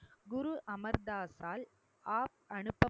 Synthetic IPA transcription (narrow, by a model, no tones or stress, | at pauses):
ɡʊɾuʔɐmɐɾd̪aːsaːl | aːp̚ɐɳɯpːɐ